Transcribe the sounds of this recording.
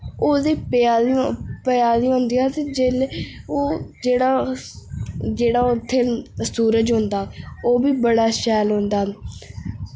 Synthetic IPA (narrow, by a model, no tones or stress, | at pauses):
oːd̪eːpaːpəjaːd̪iːɦoʊnd̪iːaːt̪eːd͡ʒeːloːd͡ʒeːɽaː | d͡ʒeːɽaːʊt̪ʰːeːsuːɾəd͡ʒɦʊ̃nd̪aːoːbiːbəɽaːʃɛːlɦõnd̪aː